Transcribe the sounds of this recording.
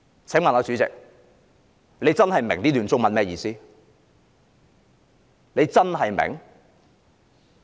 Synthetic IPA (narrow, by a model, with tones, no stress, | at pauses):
t͡sʰɛ˨˥mɐ˨nɔː˨˧t͡sy˨˧˥t͡sɪ̰˨k̚ | le˨˧jt͡sɐ˥nɦɐ˨jmɪ˨˩ŋt̪iː˥lyː˨nt͡sʊ˥ŋ̚mɐ˨nmɛː˥jiː˧siː˥ | nle˨˧jt͡sɐ˥nɦɐ˨jmɪ̰˨˩ŋ